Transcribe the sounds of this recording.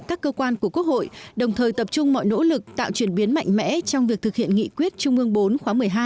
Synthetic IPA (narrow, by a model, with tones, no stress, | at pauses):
kaː˦˥kːəː˧kwaː˧nku˧˩əkək̚ho̰˧˨jɗə˨˩wŋ͡mt̪ʰəː˨˩jt̪ə˨˩p̚t͡ɕʊ˧ŋ͡mmɔ̰˧˨jno̰˧˥lɨ˨˩k̚t̪a̰ː˧˨wt͡ɕwi˧˩ənɓi˨˦ənma̰˧˨jŋ̟mɛ̰˧˥t͡ɕɔ˧wŋ͡mvi˨˩ək̚t̪ɨ˨˩k̚hḭ˧˨ənŋḭ˧˨kwi˦˥ət̚t͡ɕʊ˧ŋ͡mʔɨ˧əŋɓo˨˦nxwaː˨˦mɨ˨˩əjɦaː˧